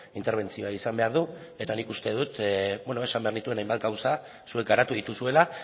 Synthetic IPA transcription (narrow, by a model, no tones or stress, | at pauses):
int̪eɾβ̞e̞nt͡sio̞aisambe̞aɾðu | e̞t̪anikust̪e̞ðut̪bonoesambe̞aɾnit̪ue̞najmbat̪̚ɡawsa | sue̞k̚ɡaɾat̪uð̞it̪usue̞la